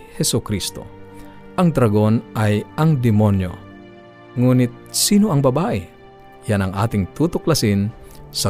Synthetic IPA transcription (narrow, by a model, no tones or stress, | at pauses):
hɛsʊkɾist̪o̰ | ʔɐŋd̪ɾɐɡo̞nʔɐjɐŋd̪ɪmonjo̰ | ŋuːnɪt̪̚siːnoʔɐŋbɐbaːʔɛ | janɐŋʔa̰ːt̪ɪŋt̪uːt̪oklɐsɪnsɐ